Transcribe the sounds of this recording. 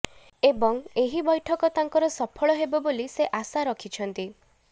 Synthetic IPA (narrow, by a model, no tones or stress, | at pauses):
ebɔŋeɦibɔjʈʰɔkɔt̪aŋkɔɾɔsɔpʰɔɭɔɦebɔboliseʔasaɾɔkʰit͡ʃʰɔnt̪i